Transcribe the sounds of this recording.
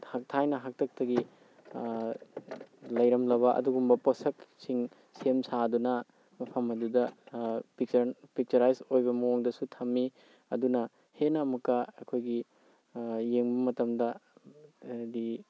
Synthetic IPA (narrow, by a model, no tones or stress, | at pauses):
hak̚tʰajnɐɦak̚tʰɐk̚tɐɡi | lɐjɾɐmlɐbɐʔɐ̰duɡumbɐposɐksiŋ | semsadunɐ | mɐpʰɐmɐdudɐpik̚t͡ʃɐpik̚t͡ʃɐɾajsojbɐmuoŋdɐsutʰɐmːi | ɐ̰dunɐ | henamɐkːɐɐkʰojɡi | jeŋbɐmɐtɐmdɐ | di